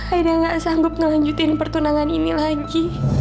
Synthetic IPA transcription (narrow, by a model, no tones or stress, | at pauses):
haidaŋɡaʔsaŋɡʊp̚ŋəlaɲd͡ʒut̪ɪnpərt̪unaŋaninilaɡi